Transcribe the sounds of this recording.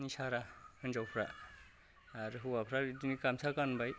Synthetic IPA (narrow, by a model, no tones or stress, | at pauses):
nisaɾahɯnd͡ʒawpʰɾa̰ | ɾɦuwapʰɾaɾidinikamsʰakanbaj